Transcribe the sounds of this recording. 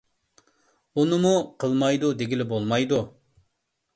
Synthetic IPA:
unɨmuqʰəlˠmɑjd̪ud̪eɡʲilɪbolˠmɑjd̪u

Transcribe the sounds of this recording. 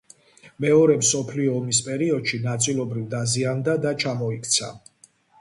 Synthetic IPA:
mɛɔɾɛmsɔpʰliɔːmispʼɛɾiɔd̪ʃinat̪sʼilˠɔbɾivd̪aziand̪ad̪at͡ʃʰamɔikʰt̪sʰa̰

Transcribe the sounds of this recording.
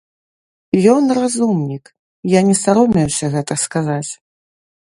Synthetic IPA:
jɔnrazumnʲik | janʲɛsaɾɔmʲɛwsʲɐɣɛt̪ɐskazat͡sʲ

